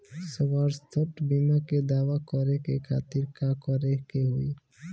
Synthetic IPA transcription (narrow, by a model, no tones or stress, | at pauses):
səwaɾst̪ʰɔʈbimaked̪awakɔɾekekʰa̰t̪iɾkakɔɾekeɦoj